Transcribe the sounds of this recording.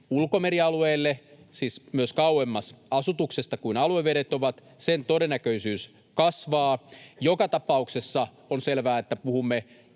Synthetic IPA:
ulkomeɾiɑlueːlːesiːsmyøskɑuwemːɑsɑsut̪uksest̪ɑkuinɑlueʋeɾet̪oʋɑt̪ | sent̪odenːækøisyːs | kɑsʋɑːjokɑt̪ɑpɑuksesːɑ | onselʋæːet̪ːæpuhumːe

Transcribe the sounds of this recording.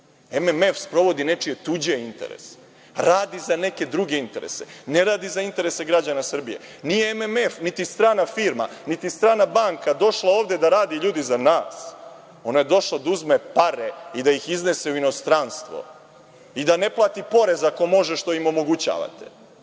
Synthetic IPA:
ememe̞fspɾo̞ʋo̞d̪ine̞t͡ʂije̞t̪ud͡ʑeint̪ḛɾḛse̥ | ɾaːd̪izane̞ke̞d̪ɾuɡe̞int̪e̞ɾḛsene̞ɾaːd̪izaint̪e̞ɾe̞se̞ɡɾad͡ʑanasr̩bije̞̰ | nijeememefnit̪ist̪ɾaːnafiɾma̰nit̪ist̪ɾaːnabaŋkad̪o̞ʃlˠaoːʋd̪ed̪aɾaːd̪iʎuːd̪izanaːs | o̞naje̞d̪o̞ʃlˠod̪auzmepaɾeid̪aixizne̞seuino̞st̪ɾanst̪ʋo̰ | id̪ane̞plˠaːt̪ipo̞ɾe̞zako̞mo̞ʒeʃt̪o̞imo̞mo̞ɡut͡ɕa̰ːʋa̰t̪e̥̰

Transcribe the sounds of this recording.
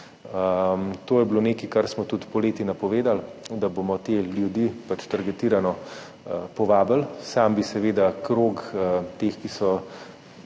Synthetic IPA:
əmt̪oːjɛbloneːkikaɾsmɔt̪ut̪pɔleːt̪inapɔʋeːd̪ald̪abomɔt̪eljud̪ipat͡ʃt̪ɐɾɡɛt̪iːɾanɔ | pɔʋaːbəlsambisɛʋeːd̪akɾoːkt̪eːxkisɔ

